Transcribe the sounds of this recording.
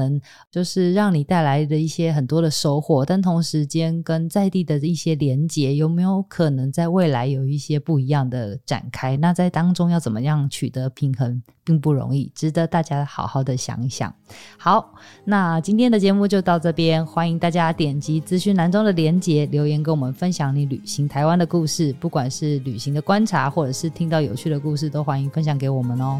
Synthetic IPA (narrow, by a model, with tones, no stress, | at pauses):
ə˧˥ŋ | t͡ɕjo˥˧ʊʂɻ̩˥˧ɻɑ˥˩ŋni˨˩t̪a˥˩ɪla˧˦ɪd̪ə˨i˥˩ɕjɛ˥xə˨˩nt̪wɔ˥d̪ə˨ʂo˥ʊxwɔ˥˩t̪a˥˩nt̪ʰo˧˥ŋʂɻ̩˧˥t͡ɕjɛ˥nkə˥nt͡sa˥˧ɪt̪i˥˩d̪ə˩i˥˩ɕjɛ˥ljɛ˧˥nt͡ɕjɛ˧˥jo˨˩ʊme˧˥ɪjo˧˥ʊkʰɤ˨˩nə˧˦ŋt͡sa˥˧ɪwe˥˩ɪla˧˥ɪjo˨˩ʊi˥˩ɕjɛ˥pu˥˩i˧˥jɑ˥˩ŋd̪ə˩ʈ͡ʂa̰˨˩nkʰa˥ɪna˥˧t͡sa˥˩ɪt̪ɑ˥ŋʈ͡ʂʊ˥ŋjɑ˥˩ʊt͡sə˨˩mə˦jɑ˥˩ŋt͡ɕʰy̰˨˩t̪ə˧˦pʰi˧˥ŋxə˧˥ŋ | pi˥˧ŋpu˥˩ɻo̰˧˥ŋi˥˩ʈ͡ʂɻ̩˥d̪ə˨t̪a˥˩t͡ɕja˥xɑ̰˨˩ʊxɑ˥˩ʊd̪ə˨ɕjɑ̰˧˥ŋɕjɑ̰˨˩ŋxɑ˨˦ʊna˥˧t͡ɕi˥nt̪ʰjɛ˥˩nd̪ə˨t͡ɕjɛ˧˦mu˥˧t͡ɕjo˥˧ʊt̪ɑ˥˧ʊʈ͡ʂɤ˥˩pjɛ˥nxwa˥ni˧ŋt̪a˥˩t͡ɕja˥t̪jɛ˨˩nt͡ɕi˧˥t͡sɹ̩˥ɕy˥˩na˧˥nʈ͡ʂo˥ŋd̪ə˨ljɛ˧˥nt͡ɕjɛ˧˥˦ljo˧˥ʊjɛ˧˥nke˧˥˦wɔ˨˩mə˨˦nfə˦nɕjɑ˧˩ŋni˧˥˦ly˨˩ɕi˧˥ŋt̪ʰa˧ɪwa˦˥nd̪ə˨ku˥˧ʂɻ̩˥˩pu˥˩kwa˨˩nʂɻ̩˥˩ly˨˩ɕi˧˥ŋd̪ə˨kwa˥nʈ͡ʂʰa˧˥xwɔ˥˩ʈ͡ʂɤ˨˩ʂɻ̩˥˩t̪ʰi˥ŋt̪ɑ˥˩ʊjo˨˩ʊt͡ɕʰy˥˩d̪ə˩ku˥˧ʂ̬ɻ̩˥˩t̪o˥ʊxwa˥ni˧˥ŋfə˦˥nɕ̬jɑ˧˥ŋke˧˥ɪwɔ˨˩mə˦nɔ˦